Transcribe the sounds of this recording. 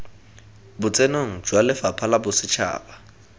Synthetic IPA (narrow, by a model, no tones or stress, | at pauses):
bʊt͡sʼenoŋ̩d͡ʒwalɪfapʰalabʊsɪt͡ʃʰa̰ːba